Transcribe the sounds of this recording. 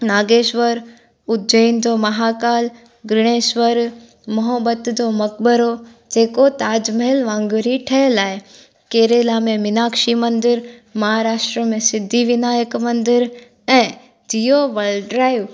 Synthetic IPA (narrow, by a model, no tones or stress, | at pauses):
naːɡeːʃʋəɾ | ʊt̪̚d͡ʒəind͡ʑomɐɦaːkaːl | ɡɾɪɽ̃eːʃʋəɾ | mɐɦəbət̪d͡ʑomɐk̚bəɾo | d͡ʑeːkot̪aːd͡ʑməɦɪlʋãːŋɡʊɾiʈʰɐlaːɪ | keːɾelaːmẽmɪnaːkʃimɐ̃nd̪ɪɾmɐɦaːɾaːʃʈɾəmẽsɪd̪ʱːiʋɪnaːjəkmɐ̃nd̪ɪɾ | ɛ̃ː | d͡ʑijoʋɐlɖɾaːiʋ